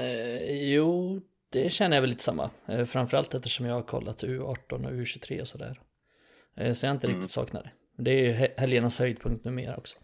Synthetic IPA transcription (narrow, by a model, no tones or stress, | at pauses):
juː | d̪̥ɛɕɛnːəjavɛliːt̪ə̥samːa̰fɾamfœɾalt̪ɛft̪əʂɔmjɑːɡhaɾkʰɔ̰lːat̪ʉ̟ːɑːʈːɔnɔ̰ʉːɕʉt̪ʰɾḛːɔsɔd̪æ̰ːɾ | sɔjaːɪnt̪əɾɪk̚t̪ɪ̥t̪sɑ̰ːkna̰d̪ɛ | d̪ɛæɾjɵhɛljənashœjd̪̚pʰɵŋkt̪nʉ̟ːmḛːɾɔ̰ksɔ̥